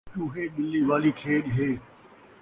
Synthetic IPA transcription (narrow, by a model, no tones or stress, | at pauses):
ũːɦeːɓɪlːiːʋaːlikʰeːʄɦeː